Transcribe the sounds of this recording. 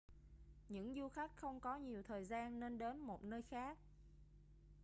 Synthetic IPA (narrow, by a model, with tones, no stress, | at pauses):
ɲɨ̰˧˥ŋzu˧xa˦˥jk̟̚xə˧wŋ͡mkɔ˨˦ɲi˨˩əwt̪ʰəː˨˩jzaː˧nːe˧nɗe˨˦nmo˨˩t̚nəː˧jxaː˦˥k̚